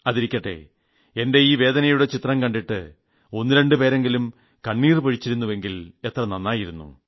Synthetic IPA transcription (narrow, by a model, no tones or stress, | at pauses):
ɐðiɾikʲːɐʈːe̞̰ | e̞nde̞iːʋe̞ːd̪ɐnɐjuɽe̞t͡ɕit̪rɐmkɐɳɖiʈːɨ | o̞nːiɾɐɳɖɨpe̞ːɾe̞ŋɡilum | kɐɳːiːrpɐɻit͡ɕːiɾunːuʋe̞ŋɡile̞t̪rɐnɐnːaːjiɾunːṵ